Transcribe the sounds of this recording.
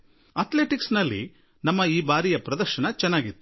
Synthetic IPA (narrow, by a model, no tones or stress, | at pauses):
ɐt̪le̞ːʈiksnɐlːḭ | nɐmːɐiːbaːɾijɐpɾɐd̪ɐɾʃɐnɐt͡ʃɛnːaːɡit̪ːu